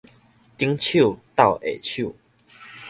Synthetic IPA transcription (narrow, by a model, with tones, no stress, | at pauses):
t̪i˦ŋt͡ɕʰju˥˨t̪a˥˨ʊʔḛ˨˩t͡ɕʰju˥˨